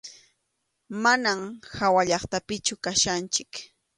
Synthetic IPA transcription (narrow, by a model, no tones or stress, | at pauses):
manamhawaʎɑχt̪apɪt͡ʃʊkaʃant͡ʃɪk